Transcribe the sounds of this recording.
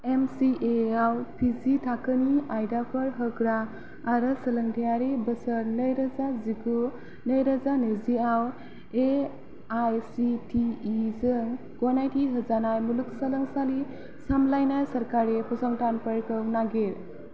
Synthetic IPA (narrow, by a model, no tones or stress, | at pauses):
emsiʔeawpʰizitʰakɯniajdapʰəɾɦɯkɾaː | ɾəsələŋtijaɾebəsəɾnəjɾazaziɡu | nəjɾazanɯziaw | e | ajsitiːzɯŋ | ɡɔnajtiɦɯzanajmuluksələŋsali | samlajnajsəɾkaɾepʰɔsɔŋtanpʰəɾkɯwnaɡeɾ